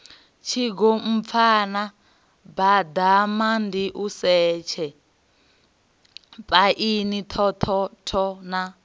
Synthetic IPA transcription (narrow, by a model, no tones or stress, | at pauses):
t͡ʃʰiɡɔm̩p̪fʰana | bad̪amandiʔusɛːt͡ʃʰɛ | pʼaʔinitʰɔtʰɔtʰɔna